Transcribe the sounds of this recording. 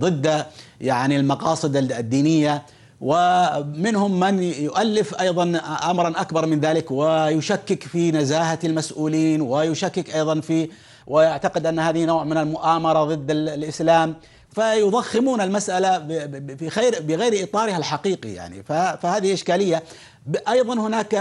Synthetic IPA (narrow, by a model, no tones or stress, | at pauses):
ðˤɨd̪ːjaʕnilmɑqɑːsˤɨd̪d̪ːiːnɪjːa | wɪmɪnhʊmːanjʊʔalːɪfʔɑjðˤɑnʔamɾˤɑnʔakbɑɾˤmɪnðaːlɪkwɪjʊʃakːɪkfinazaːɦaalmasʔuːliːnwɪjʊʃakːɪkʔɑjðˤɑnfi | wʔɪjaʕt̪aqɪd̪ʔanːhaːðɪhnaːʕmɪnalmʊʔaːmɑɾˤɑðˤɨd̪ːallʔɪslaːm | fajʊðˤɑxːɪmuːnalmasʔala | ɣaɾbɪɣajɾʔɨt̪ˤɑːɾɪhalħaqiːqḭja̰ʕnḭfafahaːðɪhɪlʔɪʃkaːlɪjːa | ʔɑjðˤɑnhʊnaːk